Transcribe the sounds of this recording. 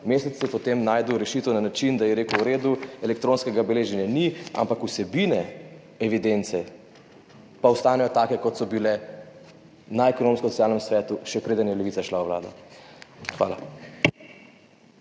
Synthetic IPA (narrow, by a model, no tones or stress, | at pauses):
meːsɛt̪sjɛpɔt̪emnaːjd̪əwɾɛʃiːt̪ɛwnanat͡ʃind̪ajɛɾeːkəwɾeːd̪uɛlɛk̚t̪ɾoːnskɛɡabɛleːʒɛnjania̰mpakusɛbinɛ | ɛʋid̪ent̪sɛ | pawst̪aːnɛjɔt̪aːkɛkɔt̪sɔbilɛ | naɛkɔnoːmskoɔsɔtsʲjaːlnɛmsʋɛːt̪uʃɛkɾeːd̪ənjɛlɛʋit̪saʃlaoʋla̰ːd̪ɔ̰ | xʋa̰ːla